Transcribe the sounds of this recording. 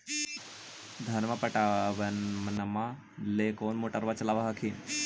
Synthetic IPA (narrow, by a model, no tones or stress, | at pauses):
d̪ʱɐɾmɐpɐʈaʋɐmnɐma | lekoːnmoʈəɾʋat͡ʃɐlaːʋɐɦɐkʰi